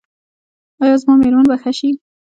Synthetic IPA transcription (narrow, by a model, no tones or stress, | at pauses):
ɑjɑzmɑmeɾmunbaxaʃi